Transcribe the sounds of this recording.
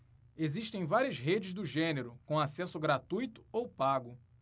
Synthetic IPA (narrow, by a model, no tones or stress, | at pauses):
eziʃt̪ẽj̃vaɾiɐzɦed͡ʒɪzd̪ʊʒẽneɾʊkõasɛsʊɡɾat̪ujt̪ʊ̥owpaɡʊ